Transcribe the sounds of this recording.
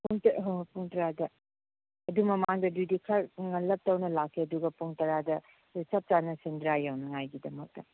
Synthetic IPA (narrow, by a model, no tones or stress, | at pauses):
puŋtpuŋtɾadɐ | ɐdumɐmaŋdɐdudikʰɐɾŋɐlɐp̚tɐwnɐlakʰːiɐduɡɐpuŋtɐɾadɐ | it͡ʃɐp̚t͡ʃanɐsɐndɾajawnɐŋajɡidɐmɐk̚tɐ